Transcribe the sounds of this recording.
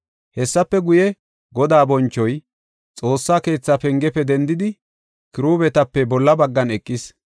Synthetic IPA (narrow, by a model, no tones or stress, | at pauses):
hɛsːɐpːɛɡʊjɛ | ɡɔd̪aːbɔnt͡ʃːɔj | t͡sʼo̞ːsːaːke̞ːt͡sːapɛŋɡɛpːɛd̪ɛnd̪ɪd̪ɪ | kɪɾuːbɛt̪ɐpːɛbɔlːɐbɐɡːɐnɛkʼːɪs